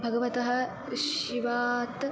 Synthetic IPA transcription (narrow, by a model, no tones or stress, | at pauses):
bʱɐɡɐʋɐt̪ɐɦɐ̆ | ʃiʋaːt̪